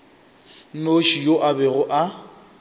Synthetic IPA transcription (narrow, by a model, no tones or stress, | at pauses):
n̩noʃijoʔabɛɣʊʔa